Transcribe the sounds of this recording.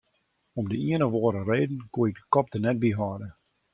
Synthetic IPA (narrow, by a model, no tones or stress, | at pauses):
ɔmdəiənəʋɔːɾəreːdn̩kuəɛɡ̚dəkɔp̚tənɛt̚biɦɑːdə